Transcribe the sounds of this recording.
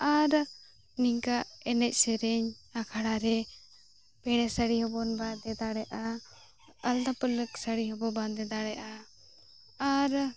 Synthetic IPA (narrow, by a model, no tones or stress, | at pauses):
aɾ | niŋkaʔɛnɛc̚ˀsɛɾɛɲakʰaɽaɾɛ | pɛɽ̃ɛsəɽiɦɔbɔnbad̪ɛd̪aɽɛʔa | əld̪apələksəɽiɦɔbɔband̪ɛd̪aɽɛʔa | aɾ